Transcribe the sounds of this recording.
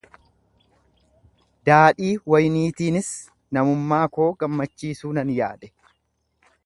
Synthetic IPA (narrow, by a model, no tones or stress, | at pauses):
d̪aːᶑiːwɐjniːt̪iːnɪs | nɐmʊmːaːko̞ːɡɐmːɐt͡ʃːiːsuːnɐnja̰ːᶑɛ̥